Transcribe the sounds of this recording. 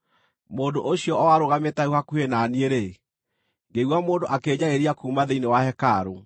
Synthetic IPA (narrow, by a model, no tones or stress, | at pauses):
moːndoʔoɕiɔɔwaɾoɣametauhakuhenanieɾe | ɡeiwamoːndoʔakeɲaeɾiakuːmaðeinewahɛkaɾo